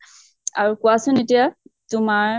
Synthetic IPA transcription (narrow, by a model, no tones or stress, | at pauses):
aɹukʊasʊnetijatʊmaɹ